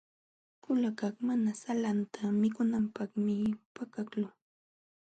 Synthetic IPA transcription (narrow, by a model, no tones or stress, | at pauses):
kʊlakaχmanasalant̪ʰamɪkʊnampɑχmɪpakaklʊ